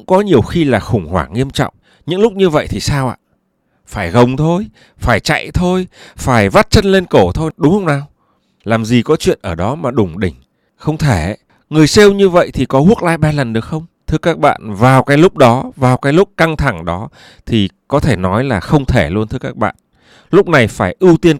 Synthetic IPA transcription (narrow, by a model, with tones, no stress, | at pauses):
ʊ˧˥ŋ͡mkɔ˨˦ɲi˨˩əwxi˧laː˨˩xʊ˧˩ŋ͡mhwa̰ː˧˩ŋi˧əmt͡ɕɔ̰˧˨wŋ͡m | ɲɨ̰˧˥ŋlʊ˦˥k͡p̚ɲɨ˧və̰˧˨jt̪ʰi˨˩saː˧wʔa̰ː˧˨ | faː˧˩jɣə˨˩wŋ͡mt̪ʰo˧j | faː˧˩jt͡ɕa̰˧˨jt̪ʰo˧jfaː˧˩jva˦˥t̚t͡ɕə˧nle˧nko˧˩t̪ʰo˧jɗʊ˨˦ŋ͡mhə˧wŋ͡mnaː˨˩w | laː˨˩mzi˨˩kɔ˨˦t͡ɕwḭ˧˨ənʔəː˧˩ɗɔ˨˦maː˨˩ɗʊ˨˧˩ŋ͡mɗï˧˩ŋ̟ | xə˧wŋ͡mt̪ʰe˧˩˨ | ŋɨ˨˩əjse˧wɲɨ˧və̰˧˨jt̪ʰi˨˩kɔ˨˦hu˦˥ək̚la̰ː˧jɓaː˧lə˨˩nɗɨ˨˩ək̚xə˧wŋ͡mt̪ʰɨ˧əkaː˦˥k̚ɓa̰ː˧˨nvaː˨˩wkaː˨˦jlʊ˦˥k͡p̚ɗɔ˨˦vaː˨˩wkaː˨˦jlʊ˦˥k͡p̚ka˧ŋt̪ʰa˧˩ŋɗɔ˨˦ | t̪ʰi˨˩kɔ˨˦t̪ʰe˧˩nɔ˨˦jlaː˨˩xə˧wŋ͡mt̪ʰe˧˩lu˧ənt̪ʰɨ˧əkaː˦˥k̚ɓa̰ː˧˨n | lʊ˦˥k͡p̚na˨˩jfaː˧˩jʔɨ˧wt̪i˧ən